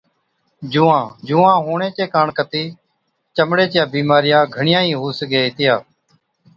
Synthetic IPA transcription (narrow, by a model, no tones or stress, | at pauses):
d͡ʒuːãːd͡ʒuːãːɦuːɳẽːt͡ʃeːkaːɳkət̪iː | t͡ʃəmɽeːt͡ʃjaːbiːmaːɾɪjaːɡʱəɳɪjãːĩːɦuːsɡeːt̪ɪjaː